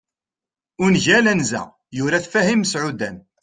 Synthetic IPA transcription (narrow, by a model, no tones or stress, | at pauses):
ʊnʝælænzæ̰ | jʊɾæθfæhimsʕud̪æn